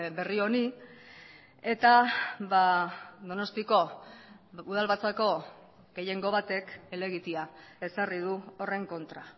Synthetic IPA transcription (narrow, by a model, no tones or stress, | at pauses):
be̞rio̞ni | e̞t̪aβaðo̞no̞st̪iko̞ | uð̞alβat͡sako̞ | ɡe̞je̞ŋɡo̞βat̪e̞ke̞le̞ɣ̞it̪iae̞sarið̞uo̞re̞ŋko̞nt̪ɾa